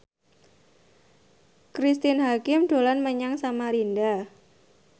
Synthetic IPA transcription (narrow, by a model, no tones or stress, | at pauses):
kɾist̪ɪnɦakɪmɖ̥o̤lanməɲaŋsamaɾinda